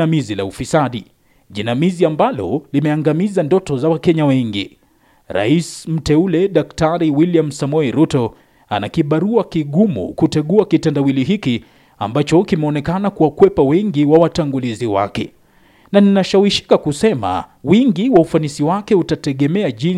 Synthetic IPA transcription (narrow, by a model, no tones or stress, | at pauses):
amizila̰ufisaɗi | ʄinamiziambalɔ̰limɛaŋɡamizandɔtɔzawakɛɲawɛŋɡḭ | ɾa̰ism̩tɛulɛɗaktaɾiwiliam̩samɔɛɾutɔ | anakiɓaɾuakiɠumṵkutɛɠuakitandawiliɦiki | a̰mbat͡ʃɔkimɛɔnɛkanakuwakwɛpawɛŋɡiwawataŋɡuliziwa̰kɛ̰ | naninaʃawiʃi̥kakusɛma̰wiŋɡiwaufanisiwakɛutatɛɠɛmɛaʄi